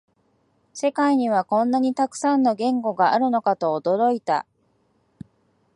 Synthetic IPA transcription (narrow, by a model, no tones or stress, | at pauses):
se̞kaiɲ̟iβ̞akõ̞nːaɲ̟it̪akɯ̟̥sãnːo̞ɡẽ̞ŋɡo̞ɡaaɾɯ̟no̞kat̪o̞ːd̪o̞ɾo̞it̪a̰